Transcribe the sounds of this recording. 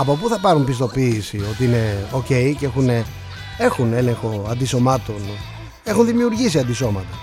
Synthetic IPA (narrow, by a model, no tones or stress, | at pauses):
ɐpopuθɐpɐɾumpist̪o̞piːsio̞t̪iine̞o̞ce̞jceexune | e̞xune̞le̞ŋxo̞ɐnd̪iso̞mɐt̪o̞n | exunðimiuɾʝisiɐnd̪iso̞mɐt̪ɐ